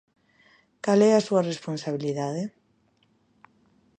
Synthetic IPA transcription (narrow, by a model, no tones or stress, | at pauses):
kalɛasuaresponsaβ̞iliðaðe